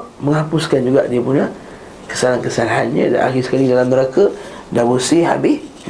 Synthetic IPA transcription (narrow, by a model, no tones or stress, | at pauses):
məŋhapuskand͡ʒuɡa̰ʔdiəpuna | kə̥salankəsalaɦanɲə̰̃da̰ʔa̰xisə̥kalidalamnəɾakə | dabusiɦa̰bɪh